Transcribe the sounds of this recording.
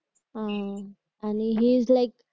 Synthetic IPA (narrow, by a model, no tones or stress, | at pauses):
a | aniɦizlaɪk